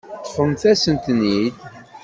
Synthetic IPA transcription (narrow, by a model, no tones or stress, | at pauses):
χəmθæsənt̪nid̪